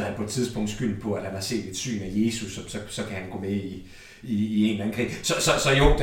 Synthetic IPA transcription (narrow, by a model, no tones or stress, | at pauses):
hænpʰɒ̽e̝d̥t͡sʰiðˠsb̥ɔ̽ŋ̰d̥sɡ̥yl̰n̩pʰɒ̽æd̥hænhɑ̈se̝̰ːd̥e̝d̥sy̰ːnæje̝ːsusɒ̽sɒ̽sɒ̽kʰæhænɡ̥ɔ̰̽ːmei | iːe̝nlæn̩kʰʁḭsɒ̽sɒ̽sɒ̽jo̥d̥